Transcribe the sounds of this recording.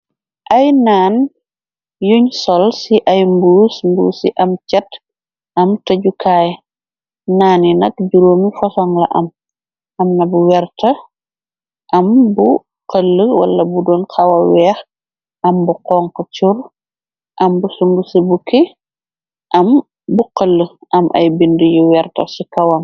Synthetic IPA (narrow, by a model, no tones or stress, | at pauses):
ʔɐjnaːn | juɲsɔlsiʔɐjmbuːsmbṵːsḭʔɐmt͡ʃɛt | ʔɐmtɐɟukʰaːj | naːninɐk̚ɟuɾoːmifɔsɔŋlɐ̰ʔɐ̰m | ʔɐmnɐbuwɛrtɐ | ʔɐmbu | qəlːəwɐ̰lːɐbudɔːnqɐwɐwɛːx | ʔɐmbuqɔːŋkɔt͡ʃur | ʔɐmbusuŋɡusəbuki | ʔɐm | buqəlːəʔɐmʔɐ̰jbindəjuwɛrtɐ̰sikɐwɐŋ